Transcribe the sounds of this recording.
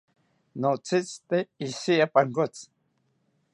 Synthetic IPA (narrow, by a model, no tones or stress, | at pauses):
not͡sit͡st̪eisiapaŋkot͡s